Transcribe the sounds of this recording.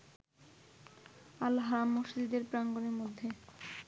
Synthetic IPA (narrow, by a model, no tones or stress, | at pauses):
alːaɦaɾamːoʃd͡ʑid̪eɾpɾaŋɡoneɾmod̪ʱːe